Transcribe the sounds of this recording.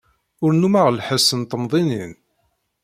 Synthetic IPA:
ʊɾnumaʁlħəsənt̪əmðˤinin

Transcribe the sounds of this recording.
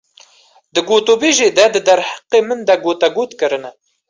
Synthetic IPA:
d̪ɨɡoːt̪oːbeːʒeːd̪ɛd̪ɨd̪ɐɾhḁqeːmɨnd̪ɐɡoːt̪ɛɡoːt̪kɨɾɨnɛ

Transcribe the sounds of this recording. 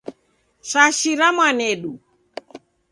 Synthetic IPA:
saʃiɾamwanɛɗu

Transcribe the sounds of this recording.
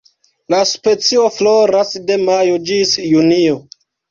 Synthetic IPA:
laspe̞t͡sio̞floɾasdemajod͡ʒisjunio

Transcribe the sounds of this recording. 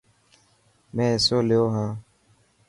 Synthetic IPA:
mɛ̃ːsoːleoːɦãː

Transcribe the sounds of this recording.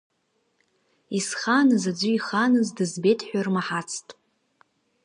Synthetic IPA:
isχanɨzad͡ʒʷʊiχanɨzdɨzbetʰʼħʷᶣarmaħat͡sʰtʼ

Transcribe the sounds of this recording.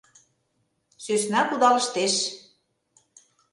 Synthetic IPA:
søsnɑkud̪ɑlə̆ʃt̪eʃ

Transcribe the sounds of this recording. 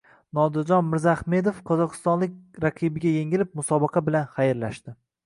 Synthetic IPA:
nɒd̪ɪɾd͡ʒɒnmɪɾzaχme̞d̪ofqʰɒzɒqʰɨ̥st̪ɒnlɪk̚ʲɾaqʰɨbɪɡʲajeŋɪlɪp̚mʊsɒbɑqʰɑbɪlanχajɪɾlaʃt̪ɪ

